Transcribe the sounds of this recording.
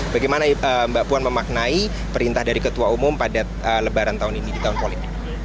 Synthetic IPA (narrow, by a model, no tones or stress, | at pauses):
baɡejmanaəmbaʔpuanməmak̚nai | pəɾint̪ahdaɾikət̪uaumʊmpada | ələbaɾant̪aʊninidit̪aɦʊnpolit̪ɪk̚